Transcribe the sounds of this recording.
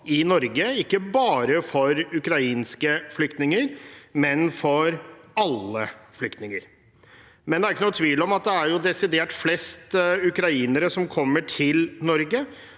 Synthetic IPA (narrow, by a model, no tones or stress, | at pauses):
ɪnɔɾɡəɪkːəbɑːɾəfɔɾʉkɾɑiːnskəflʏkt̪nɪŋəɾmɛnfɔɾɑlːəflʏkt̪nɪŋəɾ | mɛnd̪ɛæɾɪkːənuːt̪ʰʋiːlɔmɑt̪̚d̪ɛæɾjʊd̪ɛsɪd̪eːʈflɛst̪ʉkɾɑiːnəɾəsɔmkʰɔmːəʈʰɪlnɔɾɡə